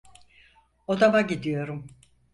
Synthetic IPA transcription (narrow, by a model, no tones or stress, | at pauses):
od̪amaɟid̪ijo̞ɾum